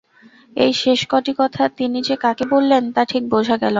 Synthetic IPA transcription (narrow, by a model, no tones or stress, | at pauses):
ḛjʃeʃkɔʈikɔt̪ʰat̪inid͡ʑekakebolːent̪aʈʰik̚bod͡ʑʱaɡɛlo